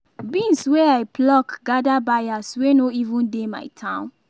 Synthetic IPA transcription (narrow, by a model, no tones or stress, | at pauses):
bĩnswɛaɪplɔkɡadabajaswenoivũndema̰ɪtʰãʊ̃n